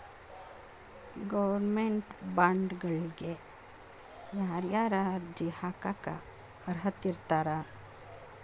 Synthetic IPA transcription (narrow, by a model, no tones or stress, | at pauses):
ɡɐʋɐɾmeɳʈbaːɳɖɡɐɭɡe | jaːɾjaːɾaːɾd͡ʒihakaka̰ | ɐɾɦɐt̪ːiɾt̪aːɾa